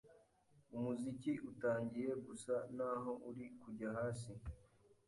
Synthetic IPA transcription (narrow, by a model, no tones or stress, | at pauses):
umuziciʔutaːɲɟije̞ɡusanaːɦo̞ʔuɾikuɟahaːs̬i